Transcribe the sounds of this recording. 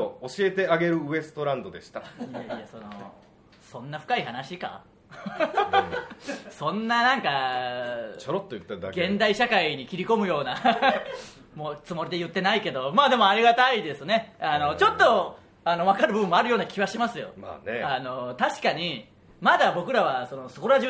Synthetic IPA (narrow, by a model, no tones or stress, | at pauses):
ooɕie̞t̪e̞aɡe̞ɾɯ̟ɯe̞sɨ̥t̪o̞ɾãnd̪o̞d̪e̞ɕi̥t̪ajaiaso̞no̰ | sõ̞nːaɸɯ̥kaiɦanaɕika̰ | sõ̞nːanãŋka | t͡ɕoɾot̪ːojɯ̟t̪ːad̪ɡẽ̞nd̪aiɕakaiɲ̟ikʲiɾʲiko̞mɯ̟jo̞ːna | mo̞ːt͡sɨmo̞ɾʲid̪e̞jɯ̟t̪ːe̞naike̞d̪o̞maːd̪e̞mo̞aɾʲiɡat̪aid̪e̞sɨne̞ano̞t͡ɕo̞t̪ːo̞ | ano̞β̞akaɾɯbɯ̟bɯ̟mːo̞aɾɯjo̞ːnakʲʰiβaɕimasɨjo̞̰ma̰ːneano̞t̪aɕi̥kaɲ̟i | mad̪abo̞kɯ̟ɾaβaso̞no̞so̥koɾaʑɨ